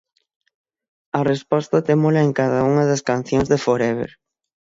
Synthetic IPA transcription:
ɐrespɔst̪ɐt̪emolɐeŋkaðɐuŋɐðɐskan̟θjoŋzðefoɾɛβḛɾ

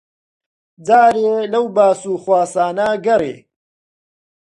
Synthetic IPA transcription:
d͡zaːɾelɐwbaːsuːxwaːsaːnɐɡɐrḛː

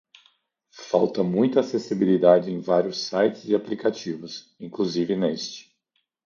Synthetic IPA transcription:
fawt̪ɐmũj̃t̪ʊasesibilid̪ad͡ʒɪẽj̃vaɾjʊsajt͡ʃɪzɪaplikat͡ʃivʊs | ĩkluzivɪnest͡ʃɪ̥

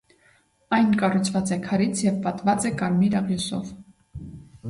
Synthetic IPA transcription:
ɑjnkɑrut͡sʰvɑt͡sɛkʰɑɾit͡sʰjɛvpɑt̪vɑt͡sɛkɑɾmiɾɑʁjusɔ̰v

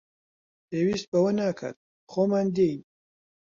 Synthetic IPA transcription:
pʰeːwiːst̪̚bɐwɐnaːkʰa̰ːt̪̚ | xoːmaːnd̪ejn

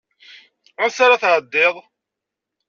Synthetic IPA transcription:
ʊsaɾaθʕəd̪ːɪðˤ

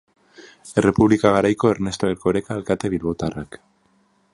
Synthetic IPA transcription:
ere̞puβlikaɣ̞aɾajko̞e̞ɾne̞st̪oeɾko̞ɾekaːlkat̪e̞βilβo̞t̪arak

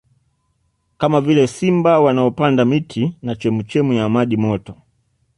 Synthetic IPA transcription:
kamavilɛsimbawanaɔpandamitʰinat͡ʃɛmut͡ʃɛmujaːmaɗimɔtɔ

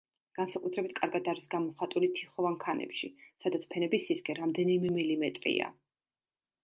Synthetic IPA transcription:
ɡ̥ansakʼut̪ʰɾɛbit̪̚ʰkʼaɾɡad̪aɾisɡamɔχat̪ʼulit̪ʰiχɔvankʰanɛ̰pʃḭsad̪at̪sʰpʰɛnɛbisːiskʼɛɾamd̪ɛnimɛmɛlimɛt̪ʼɾḭa̰

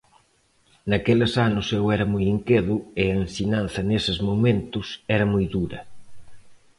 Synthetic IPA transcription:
nɐkelɐsanʊsewɛɾɐmujiŋkeðʊɪɐensiɲan̟θɐnesɪzmomẽnt̪ʊsɛɾɐmujðuɾɐ

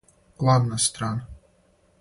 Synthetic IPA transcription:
klˠad̪nast̪ɾan

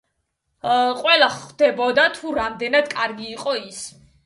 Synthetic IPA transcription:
qʼwɛlˠaχd̪̥ɛbɔd̪at̪ʰuɾamd̪ɛnad̪kʼaɾɡiːqʼɔis

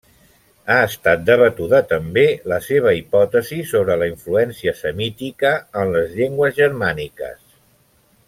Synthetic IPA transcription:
aəst̪at̪̚d̪əβət̪uðət̪əmbeləseβ̞əipɔt̪əzisoβ̞ɾələiɱfluɛnsiəsəmit̪ikəːnləzʎeŋɡwəzʒəɾmanikə̰s

